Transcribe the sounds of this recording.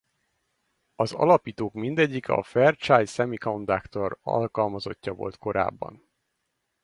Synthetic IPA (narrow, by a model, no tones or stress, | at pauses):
ɒzɒ̰lɒpiːt̪oːkmind̪ɛɟːikɒ̰fɛrt͡ʃaːjsɛmikond̪akt̪o̞rɒ̰lkɒlmɒzo̞̰cːɒvo̞̰lt̪ko̞ɾa̰ːbːɒ̰n